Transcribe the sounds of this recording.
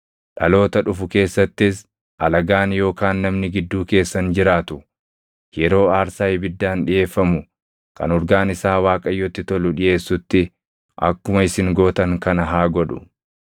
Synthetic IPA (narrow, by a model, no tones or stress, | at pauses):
ᶑɐlo̞ːt̪ɐᶑʊfʊke̞ːsːɐt̪ːɪs | ʔɐlɐɡaːnjo̞ːkaːnːɐmnɪɡɪd̪ːuːke̞ːsːɐnd͡ʒɪɾaːt̪ʊ | jɛɾo̞ːaːɾsaːjɪbɪd̪ːaːnᶑɪʔe̞ːfːɐmʊ | kɐ̰nɔɾɡaːnɪsaːwaːkʼɐjːɔt̪ːɪt̪ɔlʊᶑɪje̞ːsːʊt̪ːɪ | ʔɐ̰kːʊmɐɪsɪŋɡoːt̪ɐŋkɐnɐɦaːɡɔᶑʊ̥̰